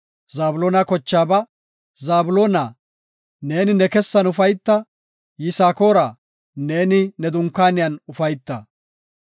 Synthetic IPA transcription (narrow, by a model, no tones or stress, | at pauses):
zaːbʊloːnɐkɔt͡ʃːaːbɐ | zaːbʊloːnaː | ne̞ːnɪnɛkɛsːɐnʊfɐjt̪ːɐ | jɪsaːko̞ːɾaː | neːnɪnɛd̪ʊŋkːaːnɪjɐnʊfɐjt̪ːɐ